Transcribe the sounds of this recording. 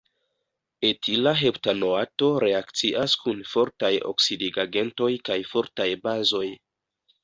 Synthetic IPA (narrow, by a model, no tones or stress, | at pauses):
etʰilaɦe̞ptano̞ato̞ɾe̞akt͡siʔaskunfo̞ɾtajo̰ksidiɡaɡe̞nto̞jkajfo̞ɾtajbazo̞j